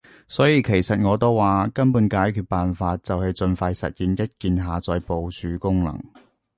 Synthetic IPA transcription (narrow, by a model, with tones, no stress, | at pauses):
sɔː˨˥jiː˧kʰe˨˩jsɐ˨t̚ŋɔː˨˧t̪o˥wwaː˨kɐ˥npuː˨˥nkaː˨˥jkʰyː˨t̚paː˨nfaː˧t̚t͡sɐ˨whɵ˨˧t͡sɵ˧nfɐː˧jsɐ̰˨t̚jiː˨˧njɐ˥t̚kiː˨˧nɦaː˨t͡sɔː˨˧jpo˨wt͡ʃʰyː˨˥kʊ˥ŋlɐ̰˨˩ŋ